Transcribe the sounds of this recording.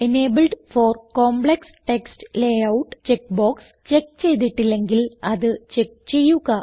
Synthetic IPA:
ene̞ːbɨlɖfoːrkoːmbɭeksʈeksʈleɐwʈːt͡ɕekboːks | t͡ɕek̚ːt͡ɕe̞jt̪̬iʈːilːe̞ŋɡilɐðɨt͡ɕek̚t͡ɕe̞jːuɣɐ

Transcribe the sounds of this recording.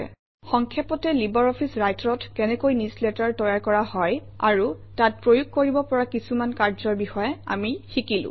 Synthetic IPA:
xɔŋkʰjapɔtɛlibɔɹɔpʰisɹajtɹɔtkɛnɛkojnisletaɹtɔjaɹkɔɹahɔj | a̰ɹu | tat̚pɹojuk̚koɹibɔpɔɹakisumankaɹzɔɹbixɔjɛa̰mixikilʊ̰̃

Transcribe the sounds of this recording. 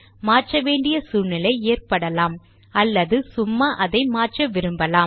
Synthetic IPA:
maːrʈrɐʋeːɳɖɪjɐsuːnɪlɐɪeːrpɐɽɐlaːm | ɐlːɐðɯsʊmːaʔɐðɐɪmaːʈʈrɐʋɪɾɯmbɐlaː

